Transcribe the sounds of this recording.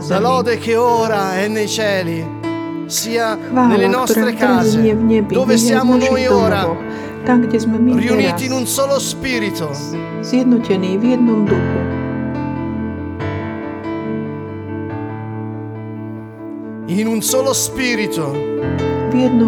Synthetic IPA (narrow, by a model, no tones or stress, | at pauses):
zd̪alɔːd̪ekeoːɾaɛnːejt͡ʃɛːli | siːavanelːeanɔsoɾɾekɾaazɛniɛvɲɛbid̪oːvesjaːmnojoːɾaɔ | t̪aŋkd̪ɛzmɛmiriuniːt̪iːnunsoːlospiːɾit̪o | zjɛd̪nocɛnivjɛd̪nomd̪ubɛ | inunsoːlospiːɾit̪o | vjɛd̪no